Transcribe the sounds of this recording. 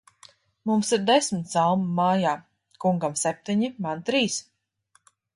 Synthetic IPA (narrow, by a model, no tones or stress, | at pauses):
mumsiɾd̪esmit̪salˠmmaːjaː | kuŋɡamsɛp̚t̪iɲimant̪ɾiːs